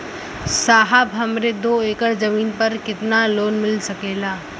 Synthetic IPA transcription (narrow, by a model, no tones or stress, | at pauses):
saːɦabɦɐmɾed̪oːeːkəɾzɐmiːnpɐɾkɪt̪naloːnmɪlsɐkeːlaː